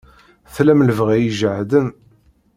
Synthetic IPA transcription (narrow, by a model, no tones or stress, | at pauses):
θlæmləvʁæjiʒəʕðən